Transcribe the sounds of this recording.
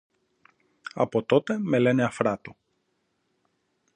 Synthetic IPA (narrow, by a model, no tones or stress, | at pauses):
ɐ̰po̞t̪o̞t̪e̞me̞le̞neɐfɾɐt̪o